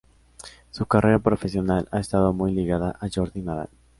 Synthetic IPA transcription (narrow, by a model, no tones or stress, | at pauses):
sukareɾapɾofesjonala̰est̪aðomujliɣaðaʔaʒoɾðinaɾa̰l